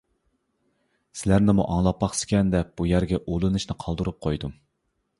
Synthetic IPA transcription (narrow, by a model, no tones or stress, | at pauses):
sɪlæɾnɪmuʔɑŋlˠɑpːɑχsɪ̥kʲɛnd̪ɛp̚b̥ujæɾɡʲɛʔolˠɨnɨʃnɨqʰɑlˠd̪ɨɾup̚qʰojd̪u